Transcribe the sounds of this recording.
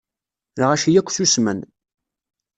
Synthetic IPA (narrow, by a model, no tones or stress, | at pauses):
lʁæʃijækʷːθusmə̰n